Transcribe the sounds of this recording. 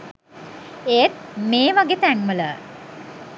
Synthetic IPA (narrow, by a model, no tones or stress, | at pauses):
eːt̪̚meːʋaɡet̪æŋmələ